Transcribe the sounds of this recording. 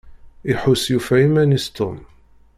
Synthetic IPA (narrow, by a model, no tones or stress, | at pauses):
iħʊsjufæimænist̪ʊm